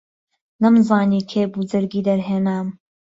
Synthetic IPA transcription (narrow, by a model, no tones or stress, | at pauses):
nɐmzɑːnikʰebud͡zɨɾɡiːd̪ɐɾɦeːnaːm